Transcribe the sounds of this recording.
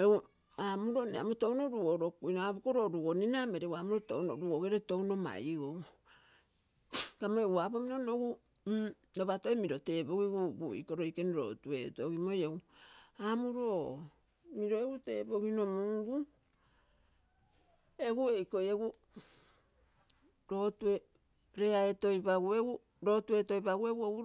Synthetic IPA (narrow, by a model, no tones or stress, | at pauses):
eu | amuɾonea̰mutonoɾuoɾo̞kujnoabukoɾoɾuoninameɾewamuɾoto̰unoɾuoɡeɾeto̞wno̞ma̰jɡo | kamoewabomiɾonoɡu | noβatoemiɾo̞te̞ːboɡiɡubuḭkoɾo̞jkeniɾo̰tue̞toɡimojeuamuɾo | miɾo̞eɡute̞bo̞ɡino̞muɡu | eɡue̞jko̞jeɡu | ɾo̞tue̞ | ɾe̞aetojbaɡueɡu | ɾo̞tue̞to̞jbaɡueɡuouɾ